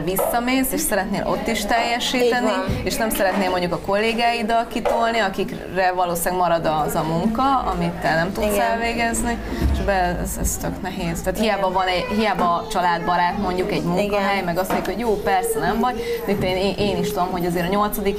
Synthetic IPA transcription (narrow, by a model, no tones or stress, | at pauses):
visːɒmeːseːʃsɛɾɛt̪neːlʔo̞̰t̪ːiʃt̪ɛjːɛʃiːt̪ɛnieːʃnɛmsɛɾɛt̪neːlmo̞ɲɟukɒko̞lːeːɡaːjid̪ɒlkit̪o̞lniɒkik | rɛvɒloːsaːɡmɒɾɒd̪ɒzɒmuŋkɒɒ̰mit̪ːɛnɛmt̪ut̪sɛlveːɡɛznieʃbɛɛ̰zɛ̰st̪øknɛɦeːz̥t̪aːt̪hijaːbɒvɒnɛɦijaːbɒːt͡ʃɒlaːd̪bɒɾaːt̪mo̞ɲɟukɛɟmuŋkɒɦɛjmɛɡɒst̪moɲɟukho̞ɟjoːpɛrsɛnɛɱvɒɟ̪it̪ːeːneʔeːniʃt̪ud̪o̞mɦo̞ɟɒzeːɾɒɲo̞lt̪sɒd̪ik